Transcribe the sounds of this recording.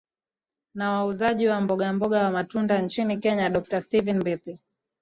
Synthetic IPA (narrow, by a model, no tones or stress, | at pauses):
nawauzaʄiwambɔɠambɔɠawamatundant͡ʃinikɛɲaɗɔk̚tastivinmbiti